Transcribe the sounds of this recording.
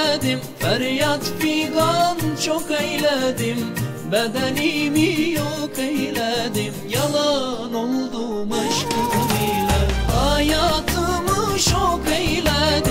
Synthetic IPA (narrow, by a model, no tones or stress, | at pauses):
d̪imfæɾjɑt̪piɡɑnt͡ʃʰokejlæd̪im | bæd̪ænimijokejlæd̪imjɑlˠɑnolˠd̪umɑʃkɯɾilɛhɑjɑt̪ʰɯmɯt͡ʃokejlæd̪